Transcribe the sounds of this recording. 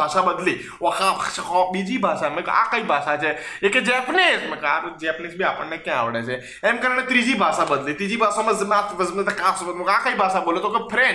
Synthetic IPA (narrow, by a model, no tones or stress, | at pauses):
aʃabəd̪li | okãbʱaʃakɔbid͡ʒibʱaʃamẽka̰kəibʱaʃat͡ʃʰeeked͡ʒeəpnesmẽkaɾd͡ʒeəpnesbʱiapəɳnekjãa̰ʋɽet͡ʃʰe | emkəɾañet̪ɾid͡ʒibʱaʃabəd̪lit̪ɾid͡ʒibʱaʃamə̃zmat̪ʋəzmẽt̪ekafsəõkakaibʱaʃaboljot̪okepʰɾe